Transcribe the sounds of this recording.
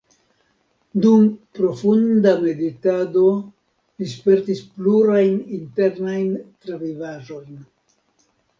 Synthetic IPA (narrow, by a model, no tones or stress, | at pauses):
dumpɾo̞fundame̞ditado̞ | lispe̞ɾtispluɾajninte̞ɾnajntɾevivaʒo̞jn